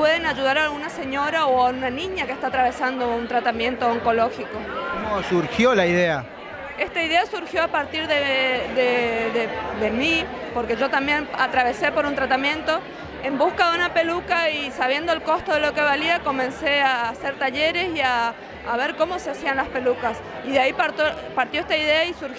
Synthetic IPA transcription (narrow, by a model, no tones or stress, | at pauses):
pwe̞ðenaʒuðaɾaːlɣunase̞ɲo̞ɾaoaunanĩɲakest̪at̪ɾaβ̞e̞sand̪o̞unt̪ɾat̪amjẽ̞nt̪o̞ːŋko̞lo̞xikokomosuɾxjo̞laiðea | e̞st̪aiðe̞asuɾxjo̞apaɾt̪iɾðeðeðed̪e̞mi | po̞ɾke̞ʒo̞t̪ambje̞nat̪ɾaβ̞e̞se̞po̞ɾunt̪ɾat̪amjẽ̞nt̪o̞ | e̞mbuskaðeunape̞lukaisaβ̞je̞nd̪oelko̞st̪oðe̞lo̞ke̞βaliako̞mẽ̞nse̞aːse̞ɾt̪aʎe̞ɾe̞siaː | βe̞ɾkomo̞seasianlaspe̞lukas | iðeaipaɾt̪opaɾt̪joest̪aiðeaisuɾ